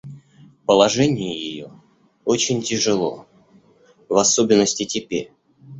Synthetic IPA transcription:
pəlˠɐʐɛnʲɪjɪjɪjo | ot͡ɕɪnʲtʲɪʐɨlˠo̞̰ | vɐsobʲɪnːəsʲtʲɪtʲɪpʲḛ

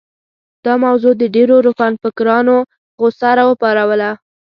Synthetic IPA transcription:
d̪̥ɑmawzod̪əɖeɾoɾofanfəkɾɑno | ɣosaɾɑwəpɑɾawəla

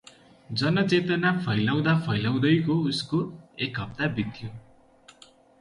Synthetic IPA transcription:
d͡zʌnʌt͡set̪ʌnapʰʌjlaw̃d̪apʰʌjlaw̃d̪ʌjkouskoekɦʌb̚t̪abit̪ʰːjo

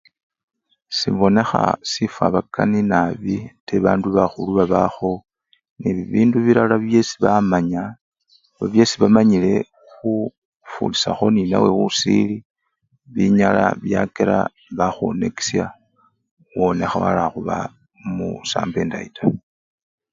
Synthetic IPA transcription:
siβo̞ne̞xa̰sifa̰βakʰaninaβiteβaːnduβaxuluβaβaxo̞ | niβiβiːnduβiɾalaβje̞si̥βamaɲa | βaβje̞siβamaɲile̞ | xu | fṵlisaxo̞nina̰we̞wusili | βiɲala̰βjakeɾa̰ | βaxwone̞ki̥sja | wo̞ne̞xawa̰laxuβa | mṵsa̰ːmbe̞ndaita

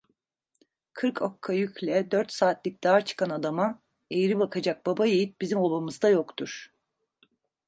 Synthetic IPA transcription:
kʰɯɾkʰokʰːajyclʲɛd̪øɾt̪saːt̪lʲic̚d̪̥aːɾt͡ʃʰɯ̥kʰanad̪ama | ejiɾibakʰad͡ʒak̚babajejip̚bizimolˠbamɯzd̪ajo̞kt̪ʰuɾ̥

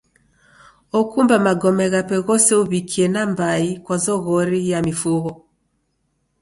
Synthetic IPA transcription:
ɔkumbamaɡɔmɛɣapɛɣɔsɛuβikʰiɛnambaikwazɔɣɔɾijamifuɣɔ

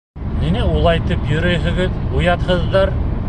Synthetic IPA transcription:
ninɘulˠɑjt̪ɤpjɵ̆ɾɵjɦɘ̆ɡɘðujɑt̪hɤ̆ðːɑɾ

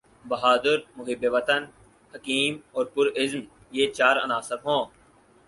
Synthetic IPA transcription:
bɐɦaːd̪ɪɾmʊɦɪbeʋət̪ən | həkiːmɔːɾpʊɾɪzm | jeːt͡ʃaːɾɐ̰naːsɪbɦõː

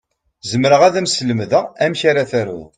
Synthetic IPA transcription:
zəmɾəʁæðæmsləmðəæmçaɾaθæɾṵ

